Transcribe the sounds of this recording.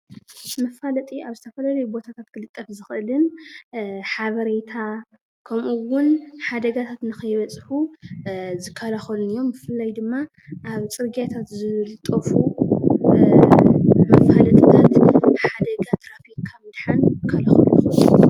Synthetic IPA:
mɐfalɐt̪ʼiaβzɨt̪ʰɐfɐlɐlɐjbo̞t̪ʰat̪ʰat̪kʰɨlɨt̪ʼːɐfzɨxʔɨlɨn | ħaβɐɾet̪ʰa | kʰɐmʔuwʊnħad̪ɐɡat̪ʰat̪nɨxɐjβɐt͡sʼħu | zɨkʰːalaxɐlunɨjo̞mːɨfɨlːajd̪ɨmːa | ʔaβt͡sʼɨɾɡat̪ʰat̪zɨlɨt̪ʼːɐfu | mɐfalɐt̪ʼit̪ʰat̪nɨħad̪ɐɡat̪ʰɾafikkʰamɨd̪ħanzɨkʰːalaxɐluix

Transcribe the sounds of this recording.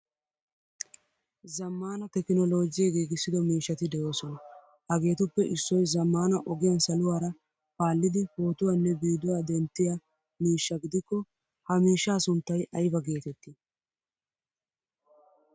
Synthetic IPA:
zɐmːaːnɐt̪ɛkɪnɔlo̞ːd͡ʒɪjɐɡiːɡɪsːɪd̪ɔmiːʃːɐt̪ɪd̪ɛjo̞ːsɔnɐ | ɐɡe̞ːt̪ʊpːɛʔɪsːɔjzɐmːaːnɐʔɔɡɪjɐnsɐlʊwaːɾɐ | paːlːɪd̪ɪho̞ːt̪ʊwanːɛbiːd̪ʊwaːd̪ɛnt̪ːɪja | miːʃːɐɡɪd̪ɪkːɔ | hɐmiːʃːaːsʊnt̪ːɐjʔɐjbɐɡe̞ːt̪ɛt̪ːɪ

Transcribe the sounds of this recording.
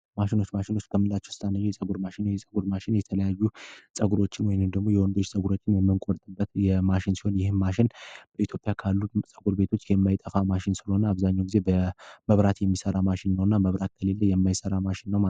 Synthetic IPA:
maʃɪno̞t͡ʃːmaʃɪno̞t͡ʃːkʰəmːɨnlːat͡ʃːɛhst̪ʰʼanːəɲːɛjɛsʼəɡuɾmaʃɪnːwjɛsʼəɡuɾmaʃɪnjɛt̪ʰələjajːusʼəɡuɾo̞t͡ʃːɪnwɔjnɨmd̪əɡmo̞jɛwɔnd̪o̞t͡ʃːsʼəɡuɾo̞t͡ʃːɪnjɛmːɨŋkʼoɾt̪ʼɨbət̪jɛmaʃɪnsiho̞njɪhɨmːaʃɪnb̥əit̪ʰjo̞pʼjakʰalːusʼəɡuɾbe̞t̪ʰo̞t͡ʃːjɛmːajt̪ʼəfamaʃɪnsɨləho̞nəaβzaɲːawɡize̞bəməβɾat̪jɛmːisəɾamaʃɪnːəwnːaməβɾat̪̚kʰəle̞lːəjɛmːajsəɾamaʃɪnːəw

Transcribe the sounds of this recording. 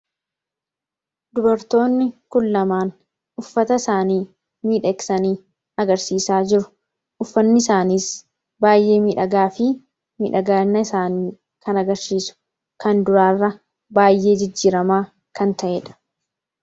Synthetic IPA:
d̪ʊbɐɾt̪o̞ːnːɪkʊlːɐmaːn | ʊfːɐt̪ɐɪsaːniː | miːᶑɐksɐniː | ɐɡɐɾsiːsaːd͡ʒɪɾʊ̥ | ʔʊfːɐnːɪɪsaːniːs | baːjʔe̞ːmiːᶑɐɡaːfɪ | mḭᶑɐɡaːnːɐɪsaːniː | kɐnɐɡɐɾsiːsʊ̥ | kɐnd̪ʊɾaːrːɐ | baːjːe̞ːd͡ʒɪd͡ʒːiːɾɐmaː | kɐnt̪ɐʔeːᶑɐ̥

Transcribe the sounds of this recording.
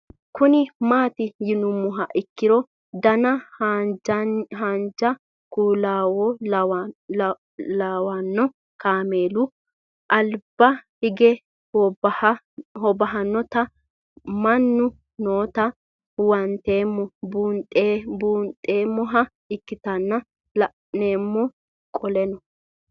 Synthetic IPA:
kʊnɪmaːt̪ɪjɪnʊmːʊɦɐʔɪkːɪɾɔ | d̪ɐnɐ | ɦand͡ʒɐ | kuːlaːwɔ | laːwanːɔ | kaːmeːlʊ | ʔɐlbɐhɪɡɛ | hɔbɐɦɐnːɔt̪ɐ | mɐnːʊ | noːt̪ɐ | wɐnt̪eːmːɔbuːnt̪ʼebuːnt̪ʼːeːmːɔɦɐ | ɪkːɪt̪ɐnːɐ | neːmːɔ | kʼɔlɛnɔ

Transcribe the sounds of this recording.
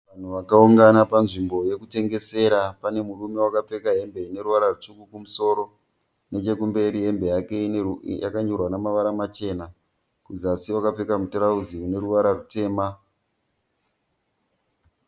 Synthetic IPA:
ʋan̤uʋakauŋɡanapanʐimbo̞je̞kute̞ŋɡe̞se̞ɾapane̞murume̞wakap͡fe̞kaɦe̞mbe̞ine̞ɾuʋaɾarut͡ʂukukumuso̞ːɾo̞ | ne̞t͡ʃe̞kumbe̞ɾiɦe̞mbe̞jake̞ija̰kaɲorwanamaʋaɾamat͡ʃe̞ːna | kuzasiwakap͡fe̞kamutoɾauziune̞ɾuʋaɾarute̞ːma

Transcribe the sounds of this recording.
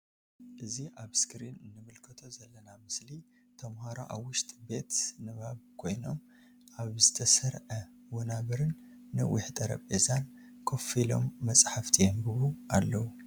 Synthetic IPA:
ʔɨziʔaβskɾinɨnːɨmɨlkʰɐt̪ʰo̞zɐlːɐnamɨsli | t̪ʰɐmhaɾo̰ʔawːʊʃt̪ʼbe̞t̪nɨβaβkʰo̞jno̞m | ʔaβzɨt̪ʰɐsɐɾʕɐ | wɔnaβɐɾɨnːɨwʔɪħt̪ʼɐɾɐ̰βʼezankʰo̞filo̞̰mːɐt͡sʼħaft̪ʰijembɨβuʔalːɐwu

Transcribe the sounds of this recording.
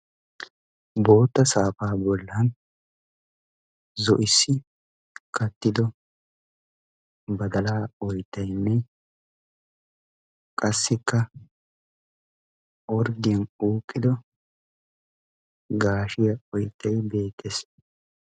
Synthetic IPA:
bo̞ːt̪ːɐsaːfaːbɔlːɐn | zɔʔɪsːɪ | kʰɐt̪ːɪd̪ɔ | bɐd̪ɐlaːɔjt̪ːɐjnːɛ | kʼɐsːɪkːɐ | ɔɾd̪ɪjɐnuːkʼːɪd̪ɔ | ɡaːʃɪjɐɔjt̪ːɐjbe̞ːt̪ʰːes

